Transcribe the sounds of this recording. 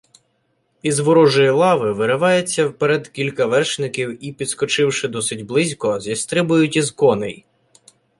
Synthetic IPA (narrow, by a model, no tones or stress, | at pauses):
izʋɔɾɔʒɔjilˠɑʋɪʋɪɾeʋɑjet͡sʲːɐwpeɾɛd̪kʲilʲkɐʋɛrʃnɪkʲiwipʲid̪skɔt͡ʃɪwʃɪd̪ɔsɪdʲblˠɪzʲkɔzʲist̪ɾɪbʊjʊtʲizkɔnɪ̰j